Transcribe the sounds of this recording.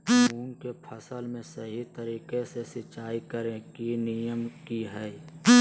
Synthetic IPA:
uːnkepʰəsəlmẽsəɦit̪əɾiːkesesɪt͡ʃaːikəɾẽkinijəmkiɦɛː

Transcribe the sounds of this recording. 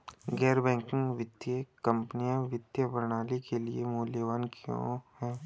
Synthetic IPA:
ɡɛːɾbɛ̃ːŋkɪ̃ŋɡʋɪd̪jəkɐ̃mpnijãʋɪd̪jəbɐɾnaːlikeliemuːljəʋaːnkjõ̰ːhɛː

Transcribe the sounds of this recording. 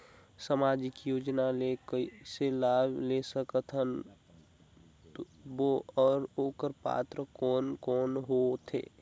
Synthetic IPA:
səmaːd͡ʒɪkjoːd͡ʒnalekəiselaːblesəkət̪ʰən | t̪o | boɔːɾoːkəɾpa̰ːt̪ɾəkɔːnkɔːnɦot̪ʰḛː

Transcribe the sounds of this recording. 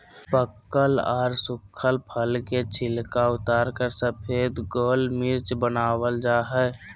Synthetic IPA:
pəkːəlɔːɾsʊkkʰːəlpʰəlket͡ʃʰɪlkaʊt̪aːɾkəɾsəpʰeːd̪ɡoːlmɪɾt͡ʃbənaːwəld͡ʒaːɦɛː

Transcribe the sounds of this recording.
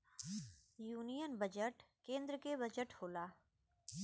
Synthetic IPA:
juːnijənbəd͡ʒəʈkẽːnd̪ɾkebəd͡ʒəʈhoːlaː

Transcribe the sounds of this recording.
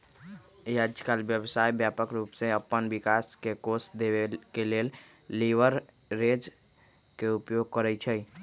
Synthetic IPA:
jead͡ʒkalbjəbsajbjapəkɾuːpseəpːənbikaskekosd̪eʋekelel | liʋəɾ | ɾed͡ʒ | keupjoɡ̚kəɾɛt͡ʃʰəj

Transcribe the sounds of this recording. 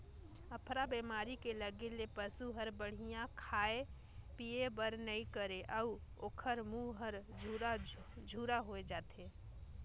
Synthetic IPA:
əpʰɾabemaːɾikeləɡelepəsuɦəɾbəɽ̤ijãkʰaːe | piebəɾnəĩkəɾeʔəuoːkʰəɾmuɦəɾ | d͡ʒʱuːɾaɦoed͡ʒaːt̪ʰe

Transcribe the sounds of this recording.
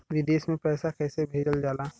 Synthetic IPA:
ʋid̪eːsmẽpɛːsakɛːsebʱeːd͡ʒəld͡ʒaːlaː

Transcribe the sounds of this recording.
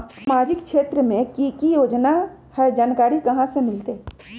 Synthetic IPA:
smaːd͡ʒɪkkʃeːt̪ɾəmẽkikijoːd͡ʒna | hɛd͡ʒaːnkaːɾikɐɦãsemɪlt̪eː

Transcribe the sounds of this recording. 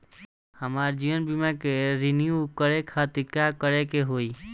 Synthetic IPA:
həmaːɾd͡ʒiʋənbimakeɾinijukəɾekʰat̪ɪɾkjakəɾekeɦoi

